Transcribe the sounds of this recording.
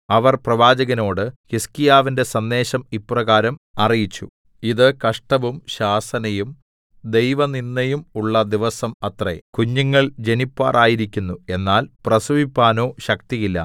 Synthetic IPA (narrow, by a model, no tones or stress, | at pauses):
ɐʋɐrprɐʋaːd͡ʑɐɣɐno̞ːɽɨhiskijaːʋinde̞sɐnd̪e̞ːɕɐmipːrɐɣaːɾɐmɐrijit͡ɕːṵ | iðɨkɐʂʈɐʋumɕaːsɐnɐjum | d̪e̞jʋɐninːɐjumuɭːɐd̪iʋɐsɐmɐt̪rḛkuɲːuŋːɐɭd͡ʑe̞nipːa̰ːrʔaːjiɾikʲːunːue̞nːaːlprɐsuʋipːaːno̞ːɕɐk̚t̪ijilːɐ̰